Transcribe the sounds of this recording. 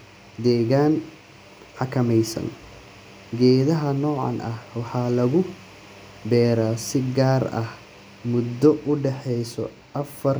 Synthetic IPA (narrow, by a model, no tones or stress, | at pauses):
d̪ɛːɣaːn | ħɑkʰɐmɛjsɐ̰n | ɡɛːðɐɦɐnɔːʕɑ̰nʔɐhwɑħɑːlɐɣʊ | bɛːɾaːsɪɡaːɾɐ̰h | mʊd̪ːɔʔʊɖɛħɛjsɔ̰ | ʔɐfɐr